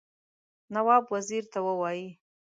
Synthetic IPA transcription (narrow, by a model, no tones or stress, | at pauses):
nawɑbwaziɾt̪awəwɑji